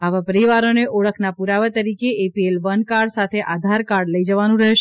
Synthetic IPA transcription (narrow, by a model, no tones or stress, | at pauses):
aʋapəɾiʋaɾoneʔɔɭəkʰnapuɾaʋat̪əɾikeːpielʋənkaɾɽsat̪ʰeʔad̪ʱaɾkaɾɖləid͡ʒəʋanũɾəɦʃ